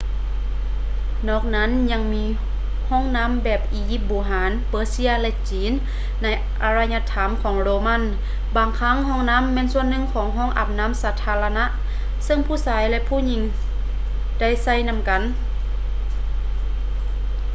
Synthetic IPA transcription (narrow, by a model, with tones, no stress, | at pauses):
nɔː˧˩k̚na˧˥˨nɲa˧˥ŋmiː˧˥ | hɔː˧˥˩ŋna˧˥˨mbɛː˧˩p̚ʔiː˨˦ji˧˥p̚boː˨˩ɦaː˨˦npɤː˧˦si˧˥ɐlɛ˧t͡ɕiː˨˦nː | a˧˥j | ʔa˧ɾa˧jɲa˧t̪ʰa˨˦mkʰɔː˨˦ŋloː˧ma˧˥˨n | baː˨˩ŋkʰa˧˥˨ŋɦɔː˧˥˨ŋna˧˥˨mːɛː˧˥˨nsu˧˨ənːɯ˧˨ŋkʰɔː˨˦ŋɦɔː˧˥˩ŋʔa̰˨˩p̚na˧˥˨msaː˨˧˦t̪ʰaː˧la˧na˧˥ʔ | sɤ˧˨ŋpʰuː˧˥˨saː˨˦jlɛ˧˨pʰuː˧˥˨ɲi˧˥ŋ | da˥˩˨jsa˧˩˨jna˧˥˨mka˨˦n